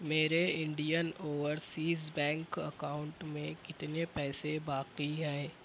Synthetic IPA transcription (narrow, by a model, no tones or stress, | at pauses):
meːɾeɪ̃ɳɖijənoːʋəɾsiːzbɛ̃ːŋkɐ̰kaːʊ̃ɳʈmẽkɪt̪nepɛːsebaːqiɦɛ̃ː